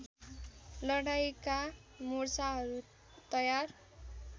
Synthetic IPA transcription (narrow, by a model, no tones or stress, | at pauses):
lʌɽajka | mursaɦʌɾu | t̪ʌjar